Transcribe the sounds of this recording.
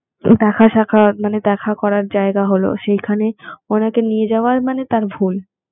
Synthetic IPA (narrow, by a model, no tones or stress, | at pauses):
d̪ɛkʰaʃakʰamaned̪ɛkʰakɔɾaɾd͡ʑaeɡaɦolo̰ʃejkʰaneonakenied͡ʑaoaɾmanet̪aɾbʱul